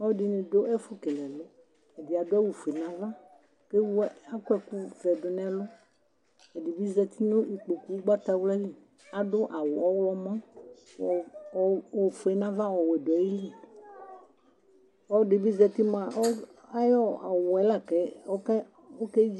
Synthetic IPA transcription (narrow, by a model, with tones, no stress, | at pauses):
ɔ˦di˦nẽ˨do˦ʔɛ˦fʊ˦kɛ˨lɛ˨lʊ˦ | e˨di˨a˨dʊ˦ɛ˦wu˨fe˨nã˦vã˦ | ke˦wa˦ku˦ɛ˨ku˦vɛ˨dʊ˨nɛ̃˦lʊ˦ | ɛ˨di˨bi˦zɛ˨t̪i˦nʊ̃˦ʔi˨k͡po˨ku˦wu˦ɡ͡ba˦t̪a˦wlɛ˦li˦ | a˨dʊ˦ʔa˨wʊ˨ɔ˦wlɔ˦mã˦˨ | o˨fo˨e˨nã˦vã˦wɔ˨wɛ˨do˨ɛ˨ji˦li˦ | wɔ˦di˨bi˦zɛ˨t̪i˦mã˨o˦a˦jɔ˦˨wɔ˨ɛ˦la˦kɛ˨˦o˦kɛ˦ | o˦kɛ˦